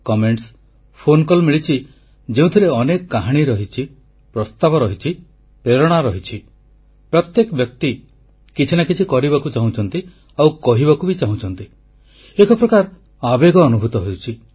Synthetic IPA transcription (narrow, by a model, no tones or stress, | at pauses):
kɔmeɳʈs | pʰonkɔlmiɭit͡ʃʰi | d͡ʒeũt̪ʰiɾeɔnekɔkaɦaɽ̃iɾɔɦit͡ʃʰi | pɾɔst̪abɔɾɔɦit͡ʃʰi | peɾɔɽ̃aɾɔɦit͡ʃʰi | pɾɔt̪jekɔbjɔk̚t̪i | kit͡ʃʰinakit͡ʃʰikɔɾibakut͡ʃaɦũt͡ʃʰɔnt̪i | awkɔɦibakubit͡ʃaɦũt͡ʃʰɔnt̪i | ekʰɔpɾɔkaɾ | abeɡɔːnubʱut̪ɔɦowt͡ʃʰi